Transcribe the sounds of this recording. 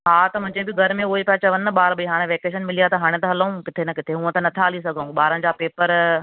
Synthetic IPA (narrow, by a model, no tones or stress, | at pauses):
ɦaːt̪ɐmɐ̃d͡ʑẽbɪɡʱɐɾmẽʊɦepɐːt͡ɕaʋɐ̃nɐɓaːɾbɐiɦaːɽ̃ẽʋeːkeːʃənmɪlijat̪ɐɦaːɽ̃et̪ɐɦɐlɐũkɪt̪ʰenɐkɪt̪ʰeɦũːə̃t̪ɐnɐt̪ʰaːlis̬ɐɡʱãːɡɓaːɾənɪ̆d͡ʑaːpeːpəɾ